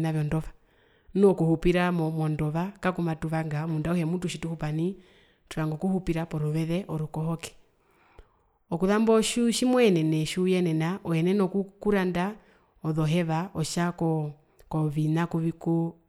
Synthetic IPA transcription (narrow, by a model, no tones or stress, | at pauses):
naʋjɔndɔʋa | nɔkuhupiɾamɔmɔndɔʋakakumatuʋaŋɡamundaɔhɛmutuʃituhupani | tuɾaŋɡɔkuhupiɾapɔɾuβɛðɛʔɔɾukɔɦɔkɛ̥ | ɔkuðambɔʃuʃimwɛɛnɛnɛʃujɛnɛnaʔɔjɛnɛnɔkukuɾanda | ɔðɔɦɛʋaɔʃakɔ | kɔβinakuiku